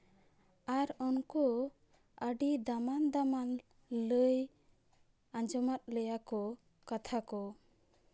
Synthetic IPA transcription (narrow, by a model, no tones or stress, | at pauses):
aɾɔnkɔ | əɖid̪amand̪aman | ləj | ãd͡ʒɔmat̪̚ləjakɔ | kat̪ʰakɔ